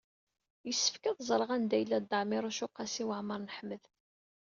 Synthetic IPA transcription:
jəsːə̥fkəðˤzˤɾˤəʁænd̪æjəlːæd̪ːəʕmɪɾˤuʃʊqːɑsiwəʕməɾˤnəħməð

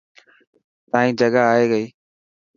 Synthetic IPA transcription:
t̪ãːĩːd͡ʒəɠaaːɦeːɡəiː

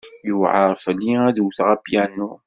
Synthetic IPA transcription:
jəwʕɑɾˤfliæðwθʁæpjænu

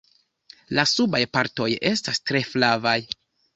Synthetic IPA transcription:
lasubajpaɾto̞je̞stastɾe̞flavaj

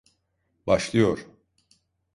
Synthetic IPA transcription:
baʃlˠɯjo̞ɾ

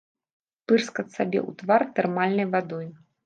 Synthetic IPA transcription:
pɨrskɐt̪sabʲɛ̰ʔṵt̪vart̪ɛrmalʲnɐjvad̪ɔj

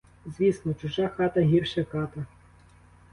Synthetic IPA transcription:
zʲʋʲisnɔt͡ʃʊʒaxɑt̪ɐɦʲirʃɐxɑt̪ɐ

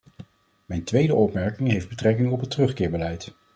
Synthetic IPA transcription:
mɛjntʋejdəʔɔpmɛɹkɪŋɦejfd̚bətrɛkɪŋɔpɦətərɵχkɪːɹbəlɛjt

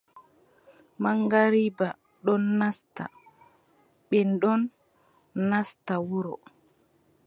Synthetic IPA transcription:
maŋɡaɾiba | ɗɔnːasta̰ | ɓɛnɗɔnː | astawuɾɔ

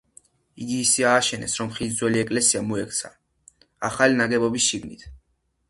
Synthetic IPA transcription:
iɡiːsiaːʃɛnɛ̰sɾɔmχid̪zwɛliɛkʼlɛsiamuɛkʰʼt̪sʰa̰ | aχalinaɡɛbɔbisʃiɡnit̪ʰ

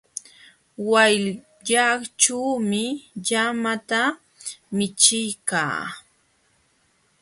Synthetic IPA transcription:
waj | ʎakʈ͡ʂuːmɪʎamat̪a | mɪt͡ʃɪjka̰ː

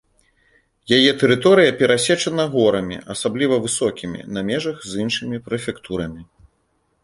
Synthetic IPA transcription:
jajɛt̪ɛɾɨt̪ɔɾɨjɐpʲɛɾasʲɛt͡ʂɐnɐɣɔɾɐmʲḭɐsablʲivɐvɨsɔkʲimʲḭnɐmʲɛʐɐɣzinʂɨmʲipɾɛfʲɛkt̪ʰuɾɐmʲi

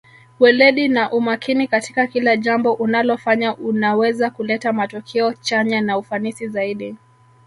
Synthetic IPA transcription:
wɛlɛɗinaʔumakinikatikakilaʄambɔʔunalɔfaɲaʔunawɛzakulɛtamatɔkʰɛɔt͡ʃaɲanaufanisizaiɗi

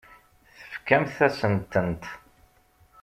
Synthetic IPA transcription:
θə̥fkæmθæsənt̪ənt̪

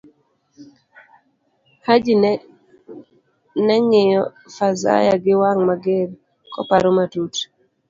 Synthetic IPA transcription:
had͡ʒin | nɛŋɪjɔ | faza̰jaɡɪwaŋmaɡeɾ | kɔ̰paɾɔmatut

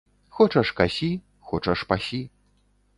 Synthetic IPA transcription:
xɔt͡ʂɐʂkasʲi | xɔt͡ʂɐʂpasʲi

